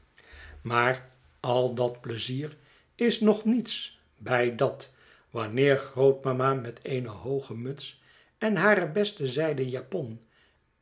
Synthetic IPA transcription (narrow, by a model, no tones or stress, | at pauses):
maːɹ | ɑlˠdɑtpləziːɹ | ɪsnɔχnits | bɛjdɑt | ʋɑnɪːɹχrowt̚mamaːmɛtʰejnəɦowχəmɵts | ɛnɦaːɾəbɛstəzɛjdəjaːpɔn